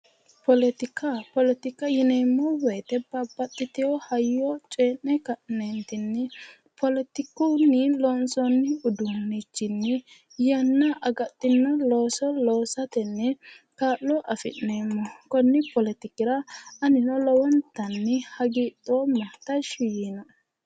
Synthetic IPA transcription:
pɔlɛt̪ɪkɐpɔlɛt̪ɪkːɐjɪneːmːɔwɛjt̪ɛbɐbːɐt̪ʼːɪt̪ɪɔhɐjːɔt͡ʃʼeːnɛkɐʔnent̪ɪnːɛ | pɔlɛt̪ɪkunːɪlɔːnsɔnːɪʊd̪ʊnːɪt͡ʃːɪnːɪ | jɐnːɐʔɐɡɐt̪ʼːɪnːɔlo̞ːsɔloːsɐt̪ɛnːɛ | kaːlːɔʔɐfɪ̰ʔeːmːɔkɔnːɪpɔlɛt̪ɪkːɪɾɐɐnɪnɔlɔwɔnt̪ːɐnːɪhɐɡiːt̪ʼːoːmɐht̪ːɐʃɪjinɔ

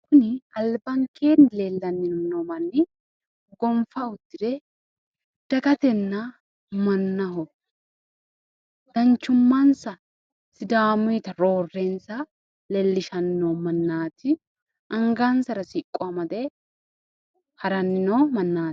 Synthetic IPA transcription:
kʊnɪɐlbɐŋkʰeːnleːlːɐnːɪnnomɐnːɪ | ɡɔmfɐʊd̪ːɪd̪ɛ | d̪̥ɐɡɐt̪ɛnːɐ | mɐnːɐɦɔ | d̪̥ɐnt͡ʃːʊmːɐnsɐ | sɪd̪aːmʊjt̪ɐɾo̞ːrːensɐ | lɛlːɪʃɐnːoːmɐnːaːt̪ɪ | ʔɐŋɡansɐɾɐsɪkʼːɔɐmɐd̪ɛ | hɐɾɐnːɪnomɐnːaːt̪

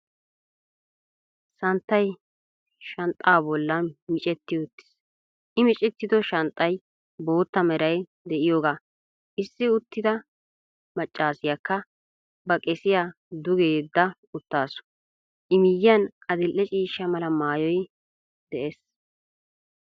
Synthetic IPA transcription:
sɐnt̪ːɐj | ʃɐnt̪ʼːaːbɔlːɐmɪt͡ʃʼɛt̪ːɪʊt̪ːɪ̥s | ʔɪmɪt͡ʃʼɛt̪ːɪd̪ɔʃɐnt̪ʼːɐj | bo̞ːt̪ːɐmɛɾɐj | d̪ɛʔɪjoːɡaː | ʔɪsːɪʊt̪ːɪd̪ɐ | mɐt͡ʃʼːaːsɪjɐkːɐ | bɐkʼɛsɪjaː | d̪ʊɡeːd̪ːɐ | ʊt̪ːaːsʊ̥ | ʔɪmɪjɪjɐnʔɐd̪ɪlʔːɛt͡ʃʼiːʃːɐmɐlɐmaːjɔj | d̪̥ɛʔeːs

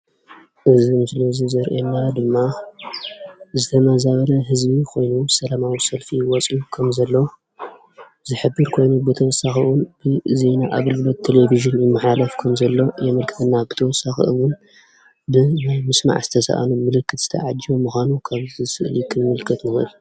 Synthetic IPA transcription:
ʔɨzimslozɨzɐɾʔenːad̪ɨmːa | zɨt̪ʰɐmɐzaβɐlɐɦɨzbikʰo̞jnusɐlamawisɐlfiwɔt͡sʼukʰɐmzɐlːo | zɨħɨbːɨɾkʰo̞jnubɨt̪ʰɐwɔsːaxiwʊnb̥ɨze̞naʔaβɨlɡɨlɐt̪ʰːeleviʒɨnjɪmːɨħalafkʰɐmzɐlːo̞jɛmɨlkʰɨ̥t̪ʰɨnːabɨt̪ʰɐwɔsːaxḭʔɨwʊn | bɨnajmɨsma̰ʕzɨt̪ʰɐsɐ̰ʔa̰numɨlɨkʰːɨt̪z̥ɨ̥t̪ʰɐ̰ʕad͡ʒiomuxʷanukʰaβzɨsɨʔlikʰɨnmɨlkʰːɨt̪mɨxɨl

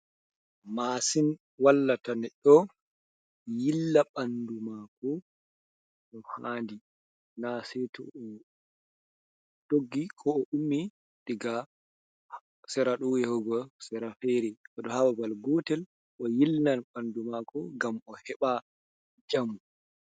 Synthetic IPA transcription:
masin | walːatanɛɗɔ | jilːaɓandumakɔ | ɔhaːndi | nasɛtɔ̰ɔ | d̥oɡːikʰɔːʔumːi | diɡa | h | sɛɾaɗɔwɛhɔɡɔsɛɾafɛɾɛadɔhababalɡɔtɛl | ʔɔjilnanɓandumakɔɡamɔhɛɓa | d͡ʒamu

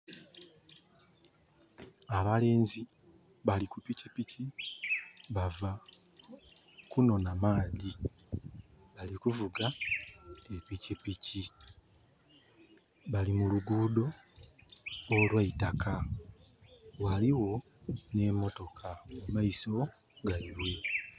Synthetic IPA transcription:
aβale̞ːnzi | βalikupicipici | βava | kuno̞namaːði | βalikuvuɡa | epicipici | βalimuluɡuːdo̞ | lwaitakʰa | waliwo̞ | ne̞mo̞to̞kʰamumaiso̞ɡaiβwe̞

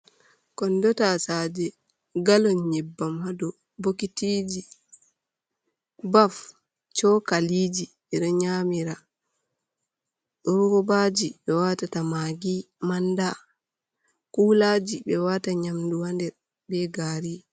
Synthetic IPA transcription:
kɔndɔtasad͡ʒɛ | ɡalɔnɲɛbːamhadɔ | bokitiːd͡ʒi | baf | t͡ʃɔkaliːd͡ʒi | ɛɗɔɲamiɾa | ɗɔɾɡɔbad͡ʒiɓɛwatatamaɡi | manda | kulad͡ʒibɛwataɲamduwandɛɾ | bɛɡaːɾi

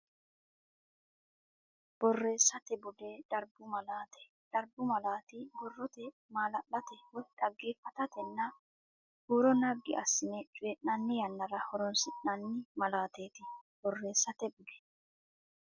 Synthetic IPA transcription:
b̥ɔrːe̞ːsɐt̪ɛbʊd̪eᶑ̪̥ɐɾbʊmɐlaːt̪ɛ̥ | ᶑɐɾbʊmɐlaːt̪ɪbɔrːɔt̪ɛ | maːlɐɗɐt̪ɛwɔjᶑ̪̥ɐɡːeːfːɐt̪ɐt̪ɛnːɐ | huːɾɔnɐɡːɪ̰ɐsːɪnɛt͡ʃʼʊjɛʔnɐnːɪjɐnːɐɾɐhɔɾɔnsɪʔnɐnːɪmɐlaːt̪eːt̪ɪb̥ɔrːe̞ːsːɐt̪ɛbʊd̪ɛ̥

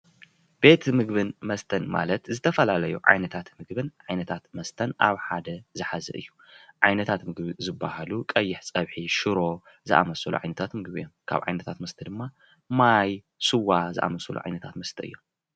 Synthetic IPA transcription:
b̥e̞t̪mɨɡbɨnmɐst̪ʰɐnma̰lɐt̪zɨt̪ʰɐfɐlalɐjuʕa̰jnɐt̪ʰat̪mɨɡbɨnʕajnɐt̪ʰat̪mɐst̪ʰɐnʔaβħad̪ɐzɨħazɐ̰ʔɨ̰jːu | ʕajnɐt̪ʰat̪mɨɡbɨzɨbːahalukʼɐjːɪħsʼɐβħiʃɨɾo̞ | zɨʔa̰mɐsɐlṵʕa̰jnɐt̪ʰat̪mɨɡbɨ̰jːomkʰa̰βʕa̰jnɐt̪ʰat̪mɐst̪ʰɐd̪ɨmːa | maj | sɨwazɨ̰ʔa̰mɐsɐlṵʕa̰jnɐt̪ʰat̪mɐst̪ʰɐʔɨjːom

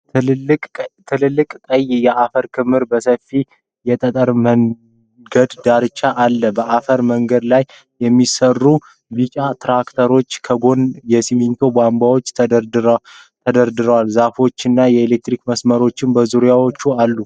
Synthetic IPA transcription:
kʼt̪ʰɨlɨlːɨkʼkʼəjjɛʔafəɾkʰɨmɨɾbəsəfi | jɛt̪ʼət̪ʼəɾməŋ | ɡəd̪d̪aɾɨt͡ʃʼːaʔalːəbəʔafəɾməŋɡəd̪laj | jɛmːisərːu | bit͡ʃʼat̪ɾakt̪ʰəɾo̞t͡ʃːkʰəɡo̞njɛsimint̪ʰo̞bambawo̞t͡ʃːt̪ʰ | t̪ʰəd̪əɾd̪ɨɾəwalzafo̞t͡ʃːɨnːajɛelek̚t̪ɾikməsməɾo̞t͡ʃːɪnbəzuɾijawo̞t͡ʃːualːu

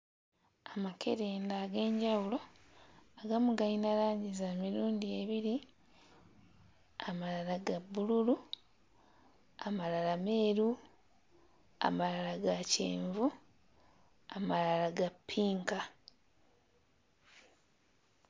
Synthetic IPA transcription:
amake̞̰ɾeːndaːɡe̞ːɲɟawulo̞ | aɡamuɡainalaːɲɟizamiɾuːndie̞βiɾi | amalalaɡabːululu | amalalame̞ːɾu | a̰malalaɡacḛːɱvu | amalalaɡapʰːiːŋka

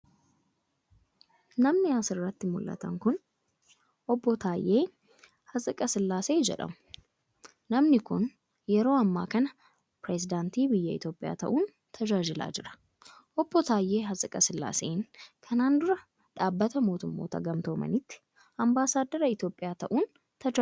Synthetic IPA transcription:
nɐmnɪasɪrːɐt̪ːɪmʊlːɐ̰t̪ɐ̰ŋkʊn | ʔɔbːɔt̪ʰaːjʔe̞ː | hɐsʼɪkʼɐsɪlːaːse̞ːd͡ʒɛ̰ᶑɐ̰mʊ̥ | nɐmnɪkʊn | jɛɾo̞ːɐmːaːkɐnɐ | pɾɛsɪd̪aːnt̪iːbɪjːɐɪt̪jo̞ːpʼːɪja̰ːt̪ɐ̰ʔuːn | t̪ʰɐd͡ʒaːd͡ʒɪla̰ːd͡ʒɪɾɐ̥ | ʔɔbːɔt̪ʰaːjːe̞ːɦɐsʼɪkʼɐsɪlːa̰ːse̞ːŋkʰɐnaːnd̪ʊɾɐ | ᶑaːbːɐt̪ɐmo̞ːt̪ʊmːo̰ːt̪ɐ̰ɡɐmt̪oːmɐ̰nɪt̪ːɪ̥ | ɐmbaːsaːd̪ːɐɾɐɪt̪jo̞ːpʼːɪjaːt̪ɐʔuːn | t̪ɐd͡ʒa

